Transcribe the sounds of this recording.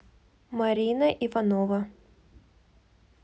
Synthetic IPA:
mɐɾʲinəʔivɐnovə

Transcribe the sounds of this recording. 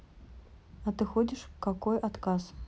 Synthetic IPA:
ɐt̪ɨxɔd͡zʲiʂkakɔjʔat̪kas

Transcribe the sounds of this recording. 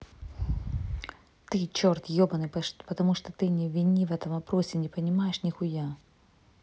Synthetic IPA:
t̪ɨt͡ɕort̪jobɐnɨpɐpɐt̪ɐmuʂt̪ot̪ɨnʲɪvʲɪnʲivɛt̪ɐmɐpɾosʲɪnʲɪpənʲɪmajɪʂnʲɪxʊja

